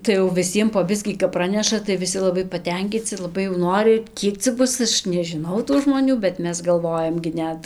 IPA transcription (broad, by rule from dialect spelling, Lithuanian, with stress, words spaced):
tɐɪ jɛʊ ʋʲɪˈsʲiɛm poː ˈbʲɪsʲkʲiː kɐp ˈprɑːnʲɛʃɐ tɐɪ ʋʲɪˈsʲɪ lˠɐˈbɐɪ pɐˈtʲɛŋʲkʲiːt͡sʲɪ lˠɐˈbɐɪ jɛʊ ˈnoːrʲɪ ˈkʲiɛk t͡sʲɛ ˈbʊs ˈɐʃ nʲɛʒʲɪˈnɐʊ tuː ʒmoːˈnʲuː bʲɛt ˈmʲɛs ɡɐlˠˈʋoːjɛm ɡʲɪ ˈnʲɛt